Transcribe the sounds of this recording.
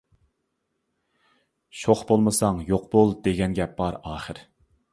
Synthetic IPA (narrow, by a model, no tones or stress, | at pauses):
ʃoχbolˠmɨsɑŋjoqb̥olˠd̪eɡʲɛnɡʲɛb̥ɑɾɑːχəɾ